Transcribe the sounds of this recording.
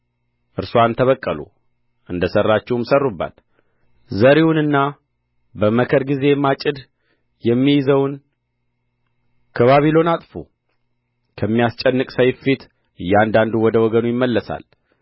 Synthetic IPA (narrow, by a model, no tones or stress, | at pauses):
ʔɨɾsuant̪ʰəβəkʼːəlṵ | ʔɨnd̪əsərːat͡ʃːɛwmsərːubːa̰l | zəɾiwunɨnːa | bəməkʰəɾɡize̞mat͡ʃʼɪd̪ | jɛmːijɪzəwn | kʰəβaβilo̞nat̪ʼfu | kʰəmːijast͡ʃʼɛnːɨkʼsəjɪfit̪ | ʔɨjːɛand̪and̪uwɔd̪əwɔɡənujɪmːəlːəsa̰l